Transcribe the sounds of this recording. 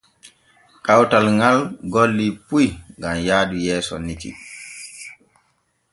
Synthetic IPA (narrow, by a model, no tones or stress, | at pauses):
kawtalŋɡalɡolːipujŋɡamjaːdujɛːsɔ̰nitḭ